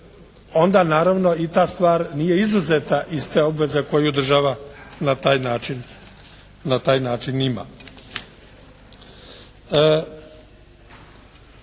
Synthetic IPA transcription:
o̞nd̪anaːɾaʋno̞it̪aːst̪ʋaːɾnije̞izuzet̪aʔist̪e̞o̞bʋe̞zeko̞jud̪r̩ʒaʋanat̪aːjnaːt͡ʃin | nat̪aːjnaːt͡ʃinima̰ | ə

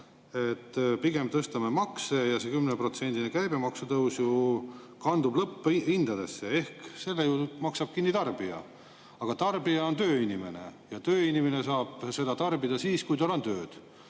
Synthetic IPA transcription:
e̞t̪ːpiɡe̞m̚t̪ɤst̪ɑmemɑkse̞jɑsekymːnepro̞t̪se̞nʲd̪̥inekæjbe̞mɑksut̪ɤwsju | kɑnd̪ublɤpːind̪̥ɑd̪e̞sːee̞hkse̞lːejut̪mɑksɑb̥̚kinːit̪ɑrb̥iɑ̰ | ɑɡ̥ɑt̪ɑrbijɑont̪øːinime̞ne̞̰jɑt̪øːinimene̞sɑːb̥se̞d̪̥ɑt̪ɑrbid̪ɑsiːskujt̪olont̪øːd̪̥

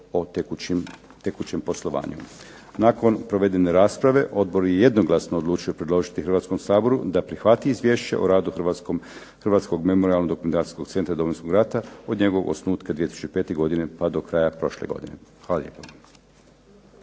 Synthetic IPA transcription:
o | t̪ekut͡ɕempo̞slˠo̞ʋa̰ːɲṵ | nako̞npɾo̞ʋe̞d̪eneɾaːspɾaʋe̞ʔo̞d̪̚bo̞ɾjeje̞d̪no̞ɡlˠasnoːd̪lˠuːt͡ʃuje̞pɾed̪lˠo̞ʒit̪ixɾr̩ʋat̪sko̞msaːbo̞ɾud̪apɾixʋat̪iizʋje̞ːʃt͡ɕḛʔo̰ɾaːd̪uxrʋa | xr̩ʋaːt̪sko̞ɡme̞mo̞ɾialˠnoɡd̪okument̪aːt̪i̥sko̞ɡt̪se̞nt̪ɾad̪o̞mojnskoɡɾat̪ao̞d̪ɲe̞ɡoʋoɡo̰snuːt̪kad̪ijet̪isut͡ʃipe̞ːt̪e̞ɡo̞d̪inepad̪o̞kɾajapɾo̞ʃlḛɡo̞̰d̪inḛxʋaːlalʎjḛːpa

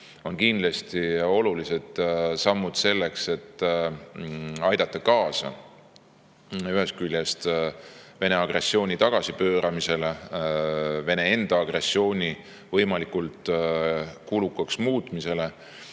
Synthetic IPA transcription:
o̞nkind̪lɑst̪io̞lulise̞d̪̥sɑmːud̪̥se̞lːe̞kse̞t̪ː | ɑjd̪̥ɑt̪ˑːɑkɑːsɑ̰ | yɦe̞skylʲjest̪ | ve̞ne̞ɑɡ̥re̞sːio̞ːnʲit̪ɑɡ̥ɑsipø̞ːɾʔɑmise̞le | ve̞ne̞e̞nd̪̥ɑɑɡ̥re̞sːio̞ːnʲi | vɤjmɑlikult̪ | kulukːˑɑksmuːt̪ˑmise̞le̞

